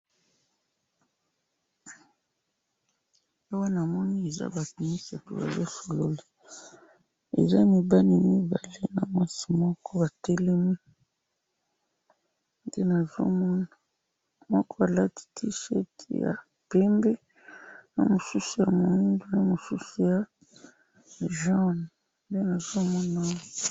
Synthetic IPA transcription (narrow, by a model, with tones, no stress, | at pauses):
ja˦wa˦n˨a˨mɔ˦ni˦e˨za̰˦ba˨tu˨mi˦sa˨tu˨ba̰˨zo˦so˨lo˨li˦ | ḛ˨za˦mi˨ba˦ni˨mi˦ba˨le˦na˨mwa˦si̥˨mɔ˦kɔ˦ba˨tɛ˦lɛ˦mi˦ | nde˦na˨zo̰˦mɔ˦na˨ | mɔ˦kɔ˦a˨la˦ti̥˦tʰi˦ʃɛ̰˦tḭ˨ja̰˨ | pɛ˦mbɛ˦ | na̰˨mo˨su˦su˨ja˨mo˨i˦ndu˨na˨mo˨su˦su˨ja˨ | ʒa˦˨n | nde˦na˨zo˦mɔ˦na˦˨